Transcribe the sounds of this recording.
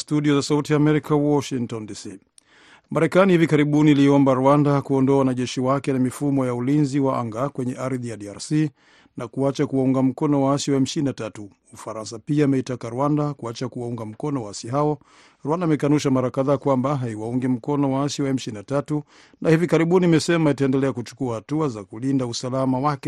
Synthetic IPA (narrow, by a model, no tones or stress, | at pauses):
stuɗiɔzasautiaːmɛɾikawɔʃiŋktɔndisi | maɾɛkanihivikaɾiɓuniliɔmbaɾwandakuɔndɔawanaʄɛʃiwakɛnamifumɔjaulinziwaʔa̰ŋɡakwɛɲɛʔaɾðijaɗiaɾsi | nakuat͡ʃakuwauŋɡam̩kɔnɔwaasiwaɛm̩ʃininatatu | ufaɾansapiaːmɛitakaɾwandakuat͡ʃakuwauŋɡam̩kɔnɔwaasiɦaɔ | ɾwandaːmɛkanuʃamaɾakaðaːkwambaɦaiwauŋɡim̩kɔnɔwaasjiwaɛm̩ʃininatatu | nahivikaɾiɓunimɛsɛmaitaɛndɛlɛakut͡ʃu̥kuahatuazakulindausalamawakɛ